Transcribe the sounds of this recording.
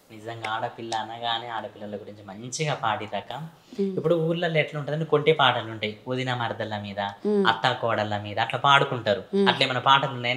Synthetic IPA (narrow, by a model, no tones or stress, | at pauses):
nid͡ʒɐŋɡaaːɽɐpilːɐɐnɐɡaːniaːɽɐpilːɐlɐɡuɾiɲt͡ʃimɐɲt͡ʃiɡaːpaːɽid̪ɐkɐ | ipːuɽuuːɾlɐleːʈlɐuɳʈaːd̪ɐnikoɳʈepaːʈɐluɳʈaːjiod̪inɐmɐɾd̪ɐlɐmiːd̪ɐɐ̰t̪ːɐkɔːɽɐlɐmiːd̪ɐːʈlɐpaːɽukuɳʈaːɾuɐʈleːmɐnɐpaːʈɐlunːajn